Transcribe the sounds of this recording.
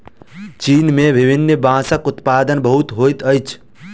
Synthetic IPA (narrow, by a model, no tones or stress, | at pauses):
t͡ʃinmebʱibʱinːəbãːsəkʊt̪paːd̪ənbəɦut̪ɦojt̪əjt͡ʃʰ